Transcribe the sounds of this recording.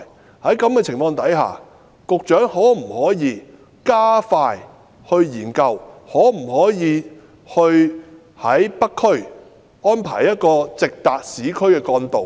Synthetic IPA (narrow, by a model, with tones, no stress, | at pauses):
hɐ˨˥jkɐ˨˥mkɛː˧t͡sʰɪ˨˩ŋfɔː˧ŋt̪ɐ˨˥jɦa̰ː˨˩ | kʊ˨k̚t͡ʃœː˨˥ŋhɔː˨˥m̩˨˩hɔː˨˥jiː˨˧ | kaː˥faː˧j | hɵ˧ɥjiː˨˩nkɐ˧whɔː˨˥m̩˨˩hɔː˨˥jiː˨˧ | hɵ˧ɥ | hɐ˨˥jpɐ˥kʰːɵ˥ɥ | ɔː˥npʰa̰ː˨˩jɐ˥t̚kɔː˧t͡sɪ˨k̚t̪aː˨k̚siː˨˥kʰɵ˥ɥkɛː˧kɔː˧nt̪o˨w